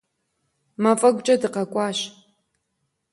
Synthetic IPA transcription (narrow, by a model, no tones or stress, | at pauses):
mɐfʼɐɡʷʼt͡ʃʼɐdɨqɐkʷʼɑːɕ